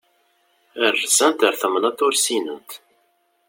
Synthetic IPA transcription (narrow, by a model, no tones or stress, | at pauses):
ərːsænt̪əɾθəmənæt̪ʊɾsinənt̪